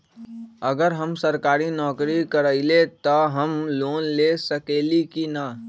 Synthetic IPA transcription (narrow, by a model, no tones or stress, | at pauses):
əɡəɾɦəmsəɾkaːɾinɔːkɾikəɾəɪlet̪ɔɦəmloːnlesəkelikina